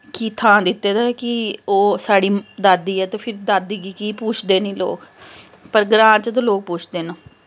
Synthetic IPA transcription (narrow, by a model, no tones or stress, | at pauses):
kiːt̪ʰãːd̪ɪt̪ːeːd̪aːkɪoːsaːɽiːd̪aːd̪iːɛːt̪eːpʰɪɾd̪aːd̪iːɡiːkiːpuːt͡ʃʰd̪eːnĩːlo̰ːk | pəɾɡɾãːt͡ʃət̪̬õːloːk̚puːt͡ʃʰd̪eːnõː